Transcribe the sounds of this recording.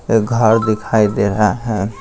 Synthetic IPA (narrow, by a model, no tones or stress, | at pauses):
ɡʱəɾd̪ikʰajd̪eɾɦaɦɛ̃